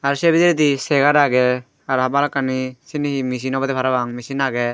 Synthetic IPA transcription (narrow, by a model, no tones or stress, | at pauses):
aɾsɛbidiɾd̪isɛɡaɾaɡɛ | aɾhabalkanisinihimis̬inɔbad̪ɛpʰaɾabaŋmisinaɡɛ